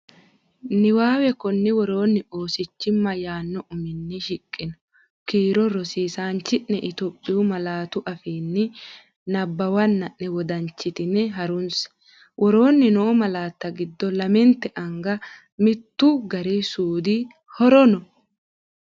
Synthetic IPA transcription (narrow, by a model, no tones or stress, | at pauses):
nɪwaːwɛkɔnːɪwɔɾo̞ːnːɪo̞ːsɪt͡ʃːɪmːɐjaːnːɔʔʊmɪnːɪʃɪkʼːɪnɔ̥ | kiːɾɔɾɔsiːsaːnt͡ʃːɪʔnɛʔɪt̪oːpʼːɪʊmɐlaːt̪ʊʔɐfiːnːɪ | nɐbːɐwɐnːɐʔnɛwɔd̪ɐɲt͡ʃːɪt̪ɪnɛɦɐɾʊns | wʔɔɾo̞ːnːɪnɔːmɐlaːt̪ːɐɡɪd̪ːɔlɐmɛnt̪ːɛʔɐŋɡɐ | mɪt̪ːʊɡɐɾesuːd̪i | hɔɾɔnɔ